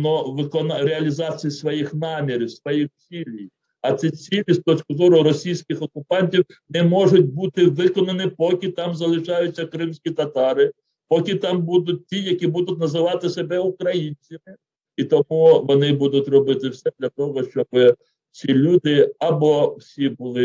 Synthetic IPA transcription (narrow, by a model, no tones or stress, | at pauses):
nɔʋɪkɔnɾeɐlʲizɑt͡sʲijisʋɔjixnɑmʲiɾʲiwsʋɔjixt͡sʲilʲij | ɐt̪sʲit͡sʲilʲist̪ɔt͡ʃkʊzɔɾʊɾɔsʲijsʲkʲɪxɔkʊpɑnʲtʲiw | nɛmɔʒʊt̚ʲbut̪ɪʋɪkɔnɐnɪpɔkʲɪt̪ɑmzɐlˠɪʃɑjʊt͡sʲːɐkɾɪmsʲkʲit̪ɐt̪ɑɾɪ | pɔkʲɪt̪ɑmbud̪ʊt̚ʲtʲijɐkʲibud̪ʊtʲnɐzɪʋɑt̪ɪsebɛukɾɐjinʲt͡sʲɐmɪ | it̪ɔmuʋɔnɪbud̪ʊt̪ʲrɔbɪt̪ɪwsɛd̪lʲɐt̪ɔɦɔʃt͡ʃɔbɪ | sʲilʲud̪ɪɐbɔwsʲibʊlˠɪ